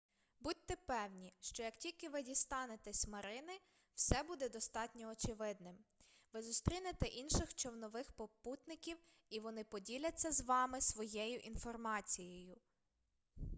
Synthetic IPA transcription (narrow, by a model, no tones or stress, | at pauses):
but̚ʲt̪ɛpɛwnʲiʃt͡ʃɔjɐktʲilʲkɪʋɪdʲist̪ɑnet̪ɛsʲmɐɾɪnɪ | wsɛbud̪ɛd̪ɔst̪ɑtʲnʲɔɔt͡ʃɪʋɪd̪nɪm | ʋɪzʊst̪ɾʲinet̪ɛʔinʃɪxt͡ʃɔwnɔʋɪxpɔput̪nɪkʲiw | iʋɔnɪpɔdʲilʲɐt͡sʲːɐzʋɑmɪsʋɔjɛjʊʔinfɔrmɑt͡sʲijɔjʊ